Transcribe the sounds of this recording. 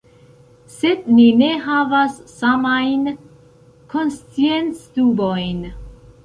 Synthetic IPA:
se̞d̚nine̞ɦavasːamajn | kʰo̞nst͡sie̞nt͡stubo̞jn

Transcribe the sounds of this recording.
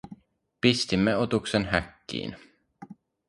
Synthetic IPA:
pist̪imːeo̞t̪uksenɦækːḭːn

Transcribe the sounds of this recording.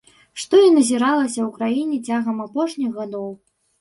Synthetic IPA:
ʂt̪ɔinɐzʲiɾalˠɐsʲɐwkɾajinʲɛt͡sʲaɣɐmapɔʂnʲiɣɣad̪ɔw

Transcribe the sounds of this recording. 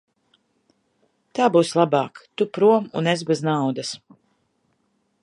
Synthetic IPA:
t̪aːbuːslˠabɑːkt̪upɾuɔmṵnezbɛznawd̪as

